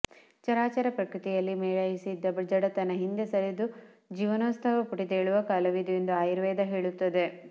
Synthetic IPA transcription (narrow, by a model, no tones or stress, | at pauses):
t͡ʃɐɾaːt͡ʃɐɾɐpɾɐkɾɨt̪ijɐlːimɛːɭɐjisid̪ːɐbɐd͡ʒɐɽɐt̪ɐnːɐɦind̪esɐɾid̪u | d͡ʒiːʋɐnoːst̪ʰɐʋɐpuʈid̪eːɭuʋɐkɐlɐʋid̪ue̞nd̪uaːjiɾʋɛːd̪ɐɦeːɭut̪ːɐd̪e̞